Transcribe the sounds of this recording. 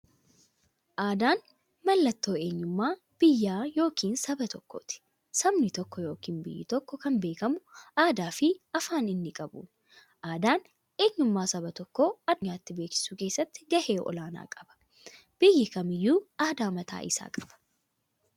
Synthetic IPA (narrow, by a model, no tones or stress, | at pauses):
ʔaːd̪aːn | mɐlːɐt̪ːo̞ːe̞ːɲːʊmːaː | b̥ɪjːaːjo̞ːkʰiːnsɐbɐt̪ɔkːo̰t̪ɪ̥ | sɐmnɪt̪ɔkːɔjo̞ːkiːnbɪ̰jːɪ̰t̪ɔkːɔkɐmbe̞ːkɐmʊʔaːd̪aːfɪɐfaːnɪnːɪkʼɐbṵ | ʔaːd̪aːn | eːɲːʊmːaːsɐbɐt̪ɔkːoːɐd̪ʊɲaːt̪ːɪbe̞ːkɪ̥suːke̞ːsːɐt̪ːɪ̥ɡɐhe̞ːʔɔ̰laːna̰ːkʼɐ̥bɐ̥ | b̥ɪjːɪkɐmɪjːuːaːd̪aːmɐt̪ʰa̰ːʔɪsa̰ːkʼɐ̥b̥ɐ̥